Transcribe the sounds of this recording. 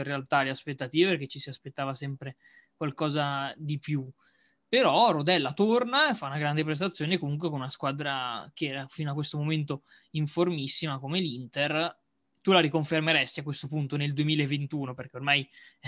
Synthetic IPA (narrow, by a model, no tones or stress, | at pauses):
erealt̪aleaspet̪ːat̪iːveperk̟et͡ʃːisiaspet̪ːaːvasɛmpɾe | kwalkɔːzad̪ipju | peɾɔɾod̪ɛlːat̪ornaefːaunaɡɾand̪ep̬ɾes̬t̪at̪sːjoːnekomuŋk̬wekonunaskwad̪ɾakeɛːɾafinoakwest̪omoment̪o | iɱformisːimakomelint̪er | t̪ulaɾikoɱfermeɾɛst̪iakːwest̪opunt̪oneld̪uemiːlaevːent̪uːnoperk̟eormaj